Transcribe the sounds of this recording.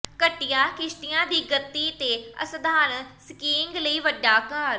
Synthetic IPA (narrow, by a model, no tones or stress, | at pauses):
kəʈːɪjaːkɪʃʈɪjãːd̪iːɡət̪ːiːt̪eːə̰sd̪aːnskiːŋɡləiːʋəɖːaːkəɾ